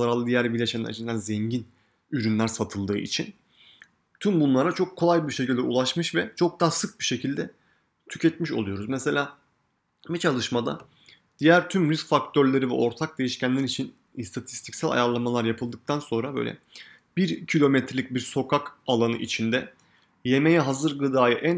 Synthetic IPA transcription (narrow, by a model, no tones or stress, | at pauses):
aɾalˠɯd̪ijæɾbilʲeʃenḭna̰t͡ʃʰɯnd̪anzɛɲɟin | yɾynlʲæɾsat̪ʰɯlˠd̪ɯːʔḭt͡ʃʰin | t̪ʰymbunlˠaɾat͡ʃʰo̞kʰːolˠajbiɾʃe̞cilʲd̪ɛṵlˠaʃmɯʃvɛt͡ʃʰo̞k̚d̪aːsɯk̚biʃe̞cʰilʲd̪ɛ | t̪ʰy̥cʰɛt̪miʃolˠujo̞ɾuzmɛse̞lʲaː | bit͡ʃʰalˠɯʃmad̪a̰ | d̪̥ijæɾt̪ʰymɾyskfak̚t̪ʰøɾlʲe̞ɾivɛ̰ʔo̞ɾt̪ʰak̚d̪ejiʃcænlʲæɾit͡ʃʰin | ist̪ʰat̪ʰi̥st̪ʰi̥csælʲa̰jaɾlˠamalˠaɾjapʰɯlˠd̪ɯk̚t̪ʰanso̞nɾabø̰jlʲɛ̰ | biɾcʰilʲo̞mɛt̪ʰɾelʲic̚biɾso̞kʰakalˠanɯ̰ʔit͡ʃʰind̪ɛ | je̞mejɛɦazɯɾɡɯd̪aːjɯʔæ